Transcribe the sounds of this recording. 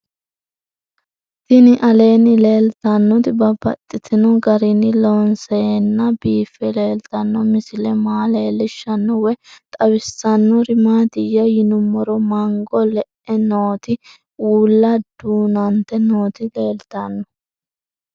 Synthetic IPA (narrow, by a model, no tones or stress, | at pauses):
t̪ɪnɪʔɐle̞ːnɪle̞ːlt̪ɐnːɔt̪ɪbɐbɐt̪ʼːɪt̪ʰɪnɔɡɐɾɪnɪlɔnsenːɐbiːfːɛleːlt̪ɐnːɔmɪsɪlɛmaːle̞ːlːɪʃːɐnːɔwɛt̪ʼɐwɪsːɐnːɔɾɪmaːt̪ɪjɐjɪnʊmːɔɾɔmɐŋɡɔlɛʔɛnoːt̪ɪ | uːlːɐd̪̥uːnɐnt̪ɛnoːt̪ɪle̞ːlt̪ɐnːɔ